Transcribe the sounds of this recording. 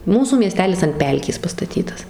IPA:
ˈmuːsuː mʲiɛˈsʲtʲæːlʲɪs ɐnt ˈpʲɛlʲkʲeːs pɐstɐˈtʲiːtɐs

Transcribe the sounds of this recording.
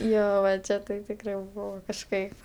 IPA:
ˈjoː ʋɐ ˈt͡ʃʲɛ tɐɪ tʲɪkˈrɐɪ ˈbʊʋoː kɐʃˈkɐɪp

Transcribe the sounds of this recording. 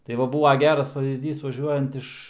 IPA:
tɐɪ ˈʋɐ ˈbuːʋɐ ˈɡʲæːrɐs pɐˈʋʲiːzʲdʲiːs ʋɐˈʒʲuɔjɛnt ɪʃ

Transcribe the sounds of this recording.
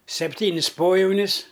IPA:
sʲɛpʲˈtʲiːnʲɪs ˈpoːjɛʊnʲɪs

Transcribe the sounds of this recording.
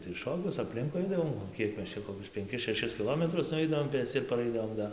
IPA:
tɐɪ ˈʃoːkʲʊs ɐpʲˈlʲɪŋkʊɪ ˈɐɪdɐʋoːm oː ˈkʲiɛk ˈmʲɛs ˈt͡ʃʲɛ koːˈkʲʊs pʲɛŋʲˈkʲɪs ʃʲɛˈʃʲɪs kʲɪˈlˠoːmʲɛtrʊs nʊˈʋʲɛɪdɐʋoːm ˈpʲeːsʲt͡sʲɪ ɪr pɐˈrɐɪdɐʋoːm ˈdɐ

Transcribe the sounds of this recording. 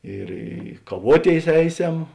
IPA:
ɪr ˈɪ kɐˈʋuɔˌtʲeːɪs ˈɛɪˌsʲɛm

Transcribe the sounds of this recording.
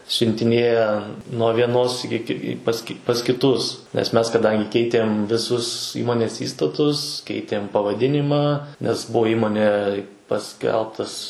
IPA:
sʲʊnʲtʲɪˈnʲeːjɛ nuɔ ʋʲiɛˈnoːs ˈɪkʲɪ ɪ pɐs kʲɪ pɐs kʲɪˈtʊs nʲɛs ˈmʲɛs kɐˈdɐŋʲɡʲɪ ˈkʲɛɪtʲeːm ʋʲɪˈsʊs ˈiːmoːnʲeːs ˈiːstɐtʊs ˈkʲɛɪtʲeːm pɐʋɐˈdʲɪnʲɪmɑː nʲɛs ˈbuɔ ˈiːmoːnʲɛɪ pɐˈsʲkʲɛlˠptɐs

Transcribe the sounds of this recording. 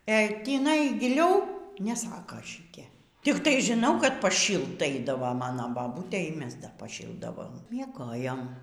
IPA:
ɛ tʲiːˈnɐɪ ɡʲɪˈlʲɛʊ nʲɛˈsɑːkɐ ʃʲɪˈtʲiɛ tʲɪkˈtɐɪ ʒʲɪˈnɐʊ kɐt pɐˈʃʲiːlˠt ˈɐɪdɐʋoː ˈmɑːnoː bɐˈbuːtʲeː iː ˈmʲɛs dɐr pɐˈʃʲiːlˠdɐʋoːm mʲiɛˈɡoːjoːm

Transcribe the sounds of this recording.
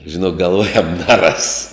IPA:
ʒʲɪˈnoːk ɡɐlˠˈʋoːjɛm nʲɛˈrɐs

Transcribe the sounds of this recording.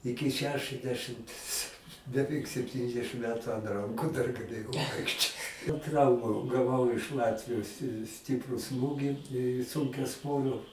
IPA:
ˈɪkʲɪ ˈʃʲæːʃɨzʲˌdʲæːʃɨmts bʲɛˈʋʲɛɪk sʲɛpʲˈtʲiːnʲɛzʲdʲɛʃɨm ˈmʲæːtʊ ɐnt ˈrɐŋkʊ dɐr ɡɐˈlʲeːjɛʊ ˈʋɐɪkʃʲt͡ʃʲoːt ˈtrɐʊmɐ ɡɐˈʋɐʊ ɪʃ ˈlˠɑːtʲʋʲɪjoːs sʲɪ ˈsʲtʲɪprʊ ˈsmuːɡʲɪ sʊŋʲkʲɛˈsʋoːrʲoː

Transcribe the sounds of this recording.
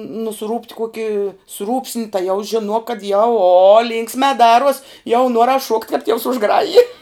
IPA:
nʊˈsruːpt ˈkuɔkʲɪ ˈsruːpʲsʲnʲɪ tɐɪ jɛʊ ʒʲɪˈnuɔk kɐt jɛʊ oː ˈlʲiːŋksʲmʲɛ ˈdɑːruɔs jɛʊ ˈnuɔrɐs ʃuɔktʲ kɐp tʲiɛws ʊʒˈɡrɑːjɪ

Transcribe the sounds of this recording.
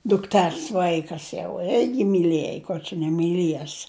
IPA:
dʊkˈtʲɛrs ˈʋɐɪkɐs jɛʊ ˈɪrʲɡʲɪ mʲiːˈlʲiɛj kʊr t͡ʃʲɛ nʲɛmʲiːˈlʲiɛs

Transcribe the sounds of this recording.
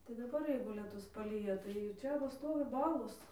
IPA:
tɐɪ dɐˈbɐr ˈjɛɪɡʊ lʲiɛˈtʊs pɐˈlʲiːjɛ tɐɪ ɪr ˈt͡ʃʲɛ ʋɐ ˈstoːʋʲɪ ˈbɑːlˠoːs

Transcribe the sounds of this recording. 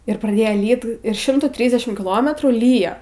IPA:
ɪr prɐˈdʲeːjoː ˈlʲiːt ɪr ˈʃʲɪmtuː ˈtʲrʲiːzʲdʲɛʃʲɪm kʲɪˈlˠoːmʲɛtruː ˈlʲiːjoː

